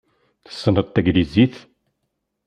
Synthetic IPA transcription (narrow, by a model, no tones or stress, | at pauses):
θə̥sːənət̪ːæɡliziθ